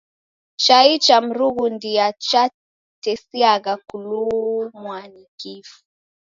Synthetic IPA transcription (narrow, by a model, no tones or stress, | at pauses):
t͡ʃait͡ʃam̩ɾuɣundiat͡ʃa | tɛsiaɣakulumwanikifu̥